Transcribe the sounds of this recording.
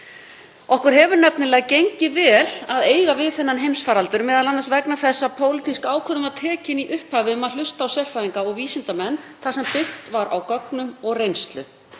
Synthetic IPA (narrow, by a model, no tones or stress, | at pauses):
ɔhkʏɾ̥ɦɛvʏɾnɛpnɪlɛːɣcejɲcɪvɛːlaðeːjɣavɪðθɛnːanɦejmsfaːɾalt̪ʏɾmɛːðalanːasvɛknaθɛsːapʰoːwlɪt̪ʰiskaːwkʰœðʏmat̪ʰɛːcɪniʔʏhphaːvɪʏmalʏst̪aːwsɛr̥fajðiŋkaɔɣviːsɪnt̪amɛnːθasɛmpɪxt̪vaɾʔa̰wkɔknʏmɔɣrejnst̪lʏ